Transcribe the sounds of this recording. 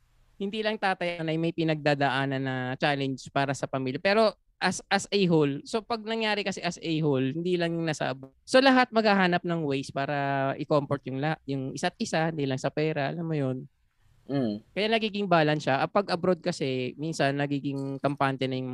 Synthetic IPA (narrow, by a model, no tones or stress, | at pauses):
hɪnd̪iːlɐŋt̪aːt̪ɐjɐnɐjmɐjpɪnɐɡ̚d̪aːd̪ɐʔaːnɐnːɐt͡ʃaːlɛnd͡ʒpaːɾɐsɐpɐmiljɐpɛːɾo̞ | ʔɐsʔɐsʔɛjɦolso̞pɐɡ̚nɐŋjaːɾɪkɐsɛʔɐsʔɛjɦolhɪnd̪iːlɐŋjʊŋnɐsɐ̰ʔɐboso̞lɐɦat̪̚mɐɡ̚haɦaːnɐp̚nɐŋwejspaːɾɐʔɪkompoɾt̪̚jʊŋlaʔjʊŋʔɪsat̪̚ʔɪsahɪnd̪iːlɐŋsɐpɛːɾɐʔɐ̰lamːojo̞n | kɐjaːnɐɡiːɡɪŋbaːlɐnʃaʔɐpɐɡʔɐbɾod̪̚kɐsɛminsɐnːɐɡiːɡɪŋkɐmpant̪ɛnɐjʊŋm